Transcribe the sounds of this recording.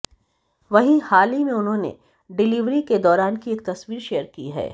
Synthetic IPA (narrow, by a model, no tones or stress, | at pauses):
ʋɐɦĩhaːlimẽʊnɦõːnḛ | ɖɪliʋɾiked̪ɔːɾaːnkieːk̚t̪ɐsʋiːɾʃeːjəɾkḭɦɛ̰ː